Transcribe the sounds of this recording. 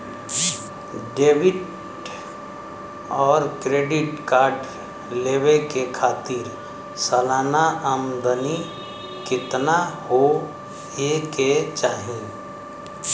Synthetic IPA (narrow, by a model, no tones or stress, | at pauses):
ɖeːʋɪʈ | ɔːɾkɾeːɖɪʈkaːɾɖ | leːʋekekʰaːt̪ɪɾ | səlaːnaʔəmd̪əni | kɪt̪naho | jeket͡ʃaːɦĩː